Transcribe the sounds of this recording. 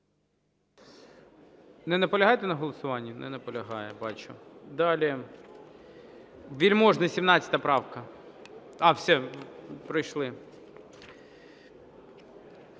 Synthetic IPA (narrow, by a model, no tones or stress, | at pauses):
nɛnɐpɔlʲɐɦɑjt̪ɛnɐɦɔlˠɔsʊʋɑnʲːɐnɛ̰nɐpɔlʲɐɦɑjɛbɑt͡ʃʊ̰d̪ɑlʲɪ | ʋʲilʲmɔʒnɐsʲimnɑt͡sʲɐ̥t̪ɐpɾɑwkɐ | ɐwsʲɛpɾɪjʃlˠɪ